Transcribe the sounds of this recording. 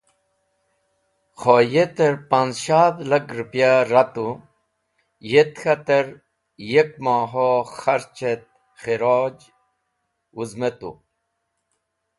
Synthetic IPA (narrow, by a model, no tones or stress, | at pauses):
xojet̪eɾpanzʃaːt̪lakɾupjaɾat̪u | jet̪xat̪eɾ | jekmaːɦoxaɾt͡ʃet̪̚ | xiɾoːd͡ʑ | uzmet̪ṵ